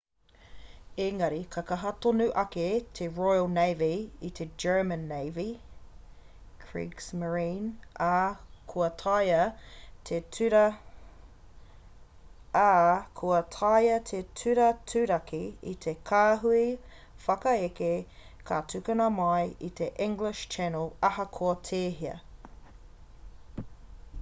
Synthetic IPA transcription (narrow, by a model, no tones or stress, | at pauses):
eŋɐɾikʰɐkɐɦɐtonʉʔɐket̪ʰeɹojəlˠnejviit̪ʰed͡ʒɜ˞mə̃nːejvi | kʰɹḭːksməɹĩnakʰuɐtʰɐjɐt̪ʰetʉɾɐ | akʰuɐtʰɐjɐt̪ʰetʰʉɾɐtʰʉɾɐkiḭt̪ʰekʰaːɦui | fɐkɐeke | kʰatʰʉkɐnɐmɐjit̪ʰeʔĩŋɡlɪʃt͡ʃɛnəlˠɐhɐkʰoɐtʰeːɦiɐ̰